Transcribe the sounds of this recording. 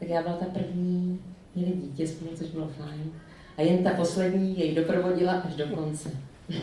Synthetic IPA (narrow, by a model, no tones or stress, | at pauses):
t̪akjaːbɪlat̪apr̩vɲiːmɲɛlɪɟiːcɛskonut͡soʒbɪlofajn | ʔajɛnt̪apo̞slɛdɲiːjɛjdo̞pɾo̞vo̞ɟɪlaʔaʒdo̞ko̞nt͡sɛ